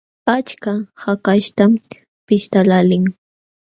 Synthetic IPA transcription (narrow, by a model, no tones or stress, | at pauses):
at͡ʃkahakaʃt̪am | pɪʃt̪alalɪŋ